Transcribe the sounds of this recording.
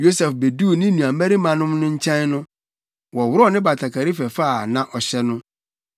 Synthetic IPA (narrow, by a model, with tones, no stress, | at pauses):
jo˦sɛ˨fbe˨du˦˨nɪ̃˦nũ˨a˨mæ˦ɾi˦mã˨nʊ̃˦mnʊ̃˦ɲ̩˦t͡ɕʰɛ̃˦nnʊ̃˦ | wɔ˨wʊ˦ɾɔ˦˨nɪ̃˦ba˨tʰa˨kʰa˨ɾi˦fɛ˨fa˦˨nã˨ʔɔ˨ɕɛ˦nʊ̃˦